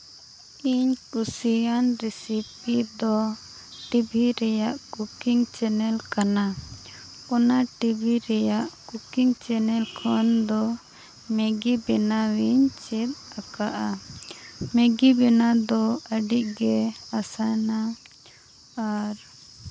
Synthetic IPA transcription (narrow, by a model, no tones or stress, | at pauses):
iɲkusijanɾɛsipid̪ɔ | ʈibʱiɾɛjaʔkukiŋt͡ʃɛnɛlkana | ɔnaʈibʱiɾɛjaʔkukiŋt͡ʃɛnɛlkʰɔnd̪ɔ | mɛɡibɛnawiɲt͡ʃɛt̪̚akaʔa | mɛɡibɛnad̪ɔəɖiʔɡɛasajna | aɾ